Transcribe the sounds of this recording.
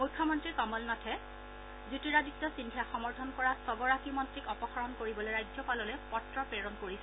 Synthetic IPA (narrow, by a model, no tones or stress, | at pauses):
mujkʰːɔmɔntɹiɹkɔmɔlnɔtʰɛ | zutiɹaditːɔsindʱijaxɔmɔɹtʰɔnkɔɹasɔbɔɹakimɔntɹikɔpɔxaɹɔnkoɹibɔlojɹajd͡ʒɔpalɔlɛpɔtɹɔpɹeɹɔnkoɹisɛ